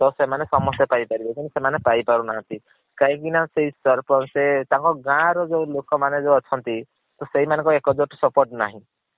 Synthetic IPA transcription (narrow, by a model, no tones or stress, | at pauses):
t̪ɔsemanesɔmɔst̪epajpaɾibɔk̪insemanepajpaɾunaɦãnt̪i | kaɦĩkinaseɦisɔɾpɔnset̪ãŋkɔɡãɾɔd͡ʒolokɔmaned͡ʒɔɔt͡ʃʰɔnt̪i | t̪ɔseɦimanẽŋkɔekɔd͡ʒoʈsɔpoɾʈnaɦĩ